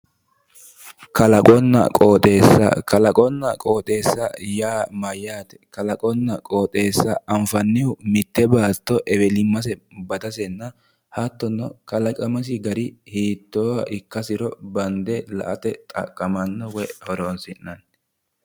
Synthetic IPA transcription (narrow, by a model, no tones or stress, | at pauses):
kɐlɐkʼɔnːɐ̰kʼo̞ːt̪ʼe̞ːsːɐ̰kɐlɐkʼɔnːɐkʼo̞ːt̪ʼe̞ːsːɐ̰jaːmɐjːaːt̪ɛ̥kɐlɐkʼɔnːɐkʼo̞ːt̪ʼe̞ːsːɐɐmfɐnːɪʊmɪt̪ːɛbaːt̪ːɔʔɛbɛlɪmːɐsɛbɐd̪ɐsɛnːɐ | hɐt̪ːɔnːɔ̰kɐlɐkʼɐmɐs̬ɪɡɐɾɪhiːt̪ːoːwɐʔɪkːɐsɪɾɔbɐnd̪ɛlɐ̰ʔɐt̪ɛt̪ʼɐ̰kʼːɐmɐnːɔwɛhɔɾoːnsɪnːɐn